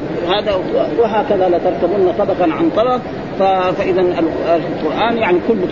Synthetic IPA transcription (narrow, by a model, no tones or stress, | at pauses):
haːd̪awɪɦaːkaðalat̪ɑɾˤt̪abunːasˤɑbɑqɑnʕant̪ˤɑlɑq | fafaʔɪðanalalqʊɾʔaːnjaʕnikʊlː